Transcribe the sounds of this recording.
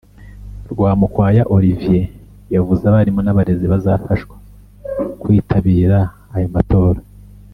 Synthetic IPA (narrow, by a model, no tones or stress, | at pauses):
ɾɡwaːmukwaːjaʔo̞ɾivije | javuzaβaɾimo̞naβaɾe̞ziβazafaʃwḁ | kwiːtʰaβiːɾaː | jomato̞ːɾa